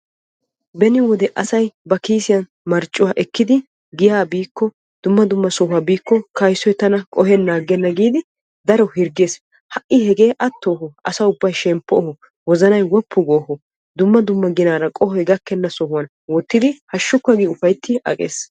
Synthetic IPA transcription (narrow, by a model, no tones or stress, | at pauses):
bɛnɪwɔd̪ɛʔɐsɐjbɐkiːsɪjɐn | mɐɾt͡ʃʼːʊwaːʔɛkːɪd̪ɪ | ɡɪjaːbiːkːɔ | d̪̥ʊmːɐd̪ʊmːɐsɔhʊwabiːkːɔkɐjsɔjt̪ɐnɐkʼɔɦɛnːaːɡɛnːɐɡiːd̪ɪ | d̪ɐɾɔhɪɾɡeːs | hɐʔːɪhɛɡe̞ːʔɐt̪ːoːɦɔʔɐsɐʊbːɐjʃɛmpːɔhɔ | wɔzɐnɐjwɔpːʊɡoːhɔ | d̪ʊmːɐd̪ʊmːɐɡɪnaːɾɐkʼɔhɔɛɡɐkːɛnːɐsɔhʊwɐn | wɔt̪ːɪd̪ɪhɐʃːʊkːɐɡiːʊfɐjt̪ːɪʔɐ̰kʼḛːs